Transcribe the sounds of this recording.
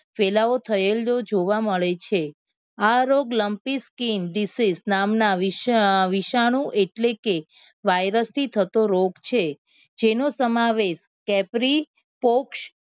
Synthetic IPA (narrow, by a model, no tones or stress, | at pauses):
felaot̪ʰəelod͡ʒoʋaməɭet͡ʃʰe | aɾoɡləmpiskinɖisisnamnaʋiʋiʃaɽ̃ũʔeʈlekeʋajɾəst̪ʰit̪ʰət̪oɾoɡt͡ʃʰe | d͡ʒenosəmaʋeʃkɛpɾi | pokʃ